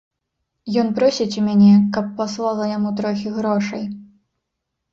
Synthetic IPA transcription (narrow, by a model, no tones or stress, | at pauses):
jɔnpɾɔsʲit͡sʲumʲanʲɛkɐpːaslˠalˠɐjamut̪ɾɔxʲiɣɾɔʂɐj